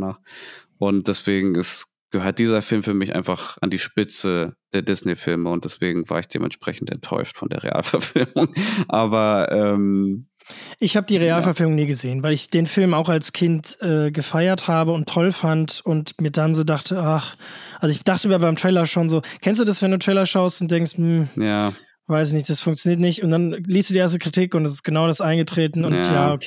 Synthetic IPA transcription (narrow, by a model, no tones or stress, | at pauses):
naχʔʊnt̚d̥ɛsv̥eːɡŋ̩ɛs | ɡ̥əhøːɐt̚d̥iːzɐfɪlmfyːɐmɪçʔa̰ɪnfaχʔa̰ndiːʃpɪt͡səd̥eːɐdɪsnefɪlməʊnt̚d̥ɛsv̥eːɡŋ̩va̰ːɐɪçd̥ḛːmʔɛ̰ntʃpʁ̥ɛ̰çn̩tɛ̰ntʰːɔ̰ʏʃtfɔndḛːɐʁḛʔa̰ːlfɛɐfɪlmʊŋʔaːbɐʔɛːm | ʔɪçhaːbədiːʁeaːlffɛɐfɪlmʊŋniːɡəzeːənvaɪlɪçd̥eːnfɪlmaʊxalskʰɪntɛːɡəfaɪɐthaːbəʊntʰːɔlfantʊntmiːɐdanzoːdaχtʰəʔaχʔalzoɪçd̥aχtəmiːɐbaɪmtʁ̥ɛɪːlɐʃoːnzoːkʰɛnstd̥uːdasvɛnduːtʁ̥ɛɪlɐʃaʊstʊnt̚d̥ɛŋstm̩jaː | v̥aɪsɪçnɪçt̚d̥asfʊŋktt͡sjoniːɐt̬nɪçtʊnt̚d̥anliːstd̥uːdiʔeɐstəkʁ̥itʰɪkʊntdas̬ɪ̥st̚ɡ̥ənaʊɾasʔaɪnɡətʁ̥eːtn̩ʊntjaːokʰː